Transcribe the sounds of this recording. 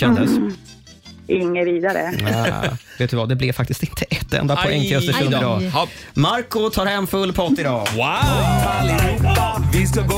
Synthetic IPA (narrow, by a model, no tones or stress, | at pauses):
ɛnd̪əs | ʔɪŋːəviːd̪aɾə̰ | veːt̪̚d̪əvad̪ɛblɪvfak̚t̪ɪst̪ɪnt̪ʰəʔɛt̪ːɛ̰nd̪apʰɔɛŋːkɛssəkɵnd̪ɪd̪ɑːmaɾkʊt̪ʰɑːɾhɛmːfɵlːpʰɔt̪ːɪd̪ɑːwa | ɪs